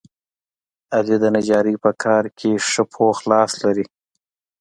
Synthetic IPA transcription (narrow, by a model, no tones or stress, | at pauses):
alid̪ənad͡ʒɑːɾipəkʰɑːɾkʰeʂəpʰoxlɑslaɾi